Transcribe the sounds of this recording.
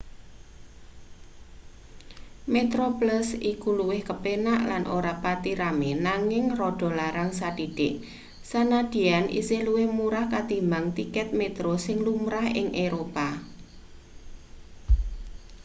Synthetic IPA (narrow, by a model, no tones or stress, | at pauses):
met̪ɾopləsikuluwɪhkəpenaʔlanʔoɾapat̪iɾamenaŋɪŋroɖ̥ɔ̤laɾaŋsad̥iɖ̥ɪʔ | sanad̪̥i̤anʔḭseluwɪhmuɾahkat̪imbaŋt̪ikɛt̪̚met̪ɾosɪŋlumɾaɦɪ̰ŋʔeɾopa